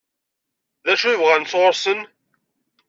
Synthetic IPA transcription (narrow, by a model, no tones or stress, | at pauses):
ðæʃuivʁænt͡sʁoɾsən